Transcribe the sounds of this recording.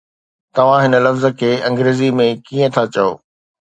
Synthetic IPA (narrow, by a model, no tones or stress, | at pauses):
t̪ɐʋ̤ãɦɪnə̆lɐfzə̆kʰeːɐ̃ŋɡɾeːzimẽkiːə̃t̪ʰat͡ɕɐjo̰ː